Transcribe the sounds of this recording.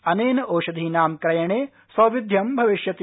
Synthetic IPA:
ɐneːnɐʔoːʃɐd̪ʱiːnaːmkɾɐjɐɳeː | sɐːʋid̪ʱjɐmbʱɐʋiʃjɐt̪

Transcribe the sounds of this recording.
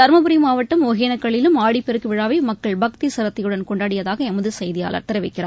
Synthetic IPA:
ɐɾmɐpɯɾɪjmaːʋɐʈːɯmɔɣeːnɐkːɐɭɪlɯmaːɽipːɛɾɯkːɯʋɪɻaːʋɐɪmɐkːɐɭbɐk̚t̪isɐɾɐt̪ːɐjɯɽɐnkɔɳɖaːɽɪjɐðaːɣɐɛmɯðɯsɐjðɪja̰ːlɐ̰ɾt̪ːɐɾɐʋɐɪkːɪra̰ː

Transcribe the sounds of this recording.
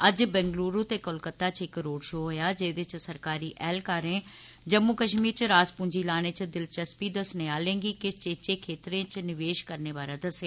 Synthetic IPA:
ɐd͡ʒbɛ̃ːŋɡluːɾut̪ekolkət̪ːat͡ʃɪkɾoːɽʃoːɦojad͡ʒeːd̪ɪt͡ʃsɐɾkaːɾiʔɛːlkaːɾẽ | d͡ʒɐmːukɐʃmiːɾt͡ʃɾaːspʊ̃ːɲd͡ʒilaːɽ̃et͡ʃɪd̪ɪlt͡ʃɐspid̪ɐsneaːlẽːŋɡikɪt͡ʃeːt͡ʃekʰeːt̪ɾẽt͡ʃnɪʋeːʃkɐɾneʋaːɾad̪ɐsea

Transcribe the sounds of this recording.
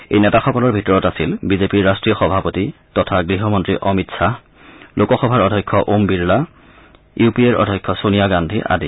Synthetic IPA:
ḛjnɛtaxɔkɔlɔɹbʱitɔɹɔtasilbizepiɹːastɹijɔxɔbʱapotitɔtʰaɡɹiɦɔmɔntɹiʔɔmitsa | lʔokɔxɔbʱaɹɔdʱɔjkʰːɔʔombiɹla | jupieɹɔ̰dʱɔjkʰːɔsonijaɡandʱiʔa̰di

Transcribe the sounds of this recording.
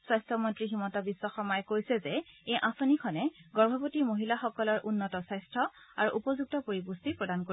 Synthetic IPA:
swajstʰɔmɔntɹiximɔtɔbisːɔxɔmɔjɛkojsɛzɛejʔãsonikʰɔnɛɡɔɹbʱɔpotimoɦilaxɔkɔlɔɹʔunːɔtɔsajstʰɹɔaɹuʔupɔzuk̚tɔpoɹibustipɹɔdankoi

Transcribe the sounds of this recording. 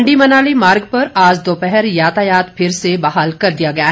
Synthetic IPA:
ɳɖimɐnaːlimaːɾɡpɐɾaːd͡ʒd̪oːpɛɦɛɾjaːt̪ajaːt̪pʰɪɾsebaɦaːlkɐɾd̪ijaɡɐja

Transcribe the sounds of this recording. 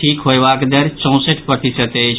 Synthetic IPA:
ʈʰiːkɦoːeʋaːkd̪əɾt͡ʃɔ̃ːsəʈʰpəʈisət̪eː

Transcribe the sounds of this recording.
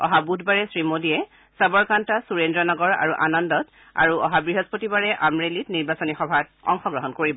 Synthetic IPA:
ɔ̰ɦabudʱbaɹɛsɹimodiɛ | sabɔɹkantasuɹendɹɔnɔɡɔɹa̰ɹuʔa̰nɔndɔt | a̰ɹuɔɦabɹiɦɔzpotibaɹɛʔamɹelitniɹbasɔnixɔbʱat̚ɔ̰ŋxɔɡɹɔɦɔnkoɹibɔ

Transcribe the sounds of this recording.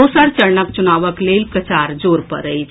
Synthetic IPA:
osəɾt͡ʃəɾɳəkt͡ʃunaːʋəkleːlpɾət͡ʃaːɾd͡ʒoːɾpə̰ɾəi

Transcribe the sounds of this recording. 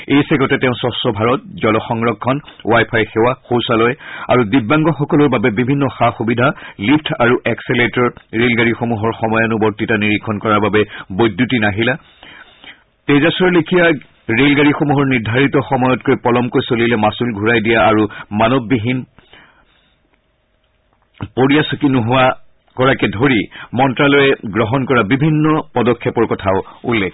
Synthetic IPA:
ejsɛɡɔtɛtɛʊ̃sɔsɔbʱaɹɔt̚zɔlɔxɔŋɹɔkʰːɔnwajpʰajxɛwaxowsalɔja̰ɹudibaŋɡɔxɔkɔlʊɹbabɛbibʱinːɔxaxubidʱalipʰtʰaɹuʔɛksɛletɔɹɹelɡaɹixomuɦɔɹxɔmɔjɔnubɔtitaniɹikʰɔnkɔɹaɹbabɛbojdːutinaɦila | tezasɔɹlekʰija | ɹelɡaɹixomuɦɔɹniɹdʱaɹitɔxɔmɔjɔtkojpɔlɔmkojsolilɛmasulɡʱuɹajdijaaɹumanɔbːiɦin | poɹijasukinuɦʊa | kɔɹakɛdʱoɹimɔntɹalɔjɛɡɹɔɦɔnkɔɹabibʱinːɔpɔdɔkʰːɛpɔɹkɔtʰaʊulːɛkʰ

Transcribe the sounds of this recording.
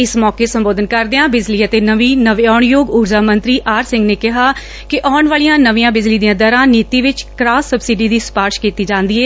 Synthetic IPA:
ɪsmɔːkeːsəmboːd̪ənkəɾd̪eãːbɪd͡ʒliːət̪eːnəʋiːnəʋɔːɳjoːɡʊɾd͡ʒaːmə̃nt̪ɾiːʔaːɾsɪ̃ŋɡneːkɪɦaː | kɪʔɔːɳʋaːlijãːnəʋijãːbɪd͡ʒliːd̪ijãːd̪əɾãːniːt̪iːʋɪt͡ʃkɾaːsːəbsɪɖiːd̪iːspaːɾʃkiːt̪iːd͡ʒãːnd̪iːɛː

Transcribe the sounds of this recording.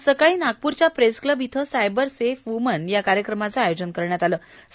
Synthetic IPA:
səkaiːnaɡ̚puɾt͡ɕjapɾeskləbʱit̪ʰəsajbəɾsefumənjakaɾjəkɾəmat͡saːjod͡ʑənkəɾɳjat̪aləː

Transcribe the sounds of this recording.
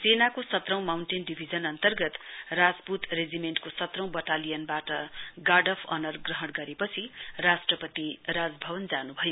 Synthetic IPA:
senakosʌt̪rʌ̃w̃mawɳʈenɖibʱid͡zʌnʌnt̪ʌrɡʌt̪rad͡zput̪red͡zimeɳʈkosʌt̪rʌ̃w̃bʌʈalijʌnbaʈʌɡaɖʌpʰʌ̰nʌrɡrʌɦʌɽɡʌɾepʌt͡sʰirasʈrʌpʌt̪iɾad͡zbʱʌbʌnd͡zanubʱʌjo

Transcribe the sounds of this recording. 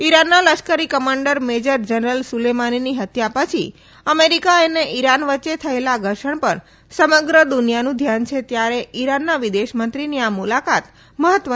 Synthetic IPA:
iɾanːaləʃkəɾikəmaɳɖəɾmed͡ʒəɾd͡ʒənɾəlsulemaniniɦət̪japət͡ʃʰi | əmeɾikaeneʔiɾanʋətːʃet̪ʰəelaɡʱəɾʃəɳpəɳ | səməɡɾəd̪ʊnijanũd̪ʱjant͡ʃʰet̪jaɾeiɾanːaʋid̪eʃmənt̪ɾiniamulakat̪ | məɦət̪ʋə

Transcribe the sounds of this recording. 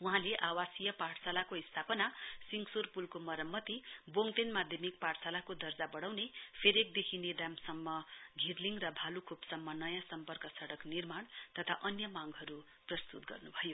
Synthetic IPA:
uɦãleʔawasijʌpaʈsalakoist̪ʰapʌnasiŋsurpulkomʌɾʌmːʌt̪iboŋt̪enmad̪ʱjʌmikpaɽsalakod̪ʌrd͡zabʌɽawnepʰeɾek̚d̪ekʰined̪amsʌmːʌɡʱirliŋrʌbʱalukʰupsʌmːʌnʌjãsʌmpʌrkʌsʌɽʌknirmaɳt̪ʌt̪ʰaʔʌnjʌmaŋɡɦʌɾu | prʌst̪ut̪̚ɡʌ̰rnubʱʌjo

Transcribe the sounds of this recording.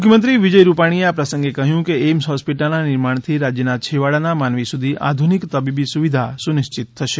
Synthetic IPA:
mʊkʰjəmənt̪ɾiʋid͡ʒəjɾupaɽ̃ieapɾəsə̃ŋɡekəɦjũkeemsɦɔspiʈəlnanɪɾmaɳ̃t̪ʰiɾad͡ʒjənat͡ʃʰeʋaɭanamanʋisud̪ʱiʔa̰d̪ʱunikt̪əbibisuʋid̪ʱasunɪʃt͡ʃɪt̪ʰːəʃe

